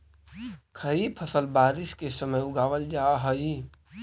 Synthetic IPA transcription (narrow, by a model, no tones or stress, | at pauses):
kʰəɾipʰəsəlbaːɾɪskesəməjʊɡaːʋəld͡ʒaːɦəi